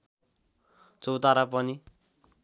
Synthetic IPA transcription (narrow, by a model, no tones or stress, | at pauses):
t͡sowt̪aɾapʌni